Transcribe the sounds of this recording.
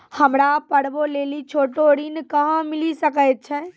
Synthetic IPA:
həmɾapəɽbolelit͡ʃʰoʈoɽinkəɦə̃milisəkəjt̪̚t͡ʃʰɛ

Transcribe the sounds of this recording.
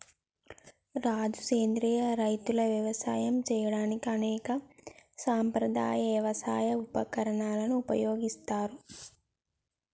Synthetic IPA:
ɾaːd͡ʒukeːnd̪ɾiːjɐɾɐjt̪ulɐʋjɐʋɐsa̰ːjɐmt͡ʃɛːjɐɽaːnikiɐnɛːkɐsaːmpɾɐd̪a̰ːjɐʋjɐʋɐsa̰ːjɐupɐkɐɾɐɳaːlɐnuːpɐ̰joːɡist̪aːɾu

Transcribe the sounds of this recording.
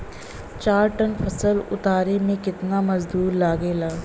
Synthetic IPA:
t͡ʃaːɾʈɐnfʰɐsəlʊ̰t̪aːɾemẽkɪt̪namɐzd̪uːɾlaːɡeːlaː

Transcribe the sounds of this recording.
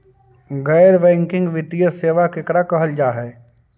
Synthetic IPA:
ɡɛːɾʋɛ̃ːŋkɪ̃ŋɡʋɪt̪ijəseːʋakɪkɾakɐɦəld͡ʒaːɦɛː

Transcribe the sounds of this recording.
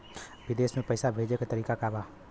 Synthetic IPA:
bid̪esmẽpəɪsabʱed͡ʒeket̪əɾiːkakaba

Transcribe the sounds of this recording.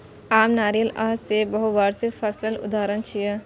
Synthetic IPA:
aːmnaːɾijəlaɦsebɐɦʊbaːɾsɪpʰɐsləlʊ̰d̪aːɾənt͡ʃʰijə

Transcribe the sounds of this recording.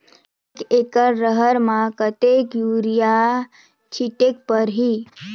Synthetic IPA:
ekekəɾːəɦəɾmakət̪ekjuɾija | t͡ʃʰiʈek̚pəɾɦi

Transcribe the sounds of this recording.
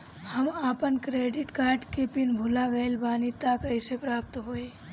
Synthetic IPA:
həmaːpənkɾeɖiʈkaːɾʈkepinbʱulaɡəjlbaːnit̪akəɪsepɾaːp̚t̪ɦoe

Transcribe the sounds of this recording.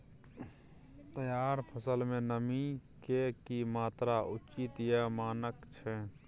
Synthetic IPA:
t̪əjaːɾpʰəsəlmẽnəmikekimaːt̪ɾaʊt͡ʃit̪jamaːnəkt͡ʃʰɛ

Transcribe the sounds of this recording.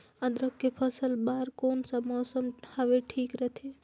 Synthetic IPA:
ə̃d̪ɾəkːepʰəsəlbaːɾkoːnsamɔːsəmhaʋeʈʰiːkɾət̪ʰe

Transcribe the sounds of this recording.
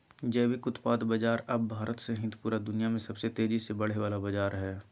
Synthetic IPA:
d͡ʒɛːʋikʊt̪paːd̪bɐd͡ʒaːɾɐbbʱaːɾət̪sẽɦɪ̃t̪puːɾad̪ʊnijamẽsɐbset̪eːd͡ʒisebɐɽ̤eʋaːlabɐd͡ʒaːɾɦɛː

